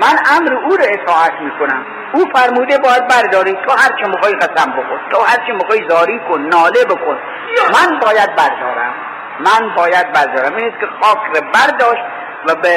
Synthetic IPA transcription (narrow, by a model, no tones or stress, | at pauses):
mænæmɾeuːɾeet̪ʰɒːæt̪ʰmiːkʰonæm | uːfæɾmuːd̪ebɒːjæd̪̚bæɾd̪ɒːɾiːt̪ʰohæɾt͡ʃʰemixɑːiɣæsæmbokʰont̪ʰohæɾt͡ʃʰemixɑːizɒːɾiːkʰonːɒːlebokʰon | mænbɒːjæd̪̚bæɾd̪ɒ̰ːɾæ̰mː | ænbɒːjæd̪̚bæɾd̪ɒːɾæmiːniskʲexɒːkʰrebæɾd̪ɒːʃt̪̚ | væbe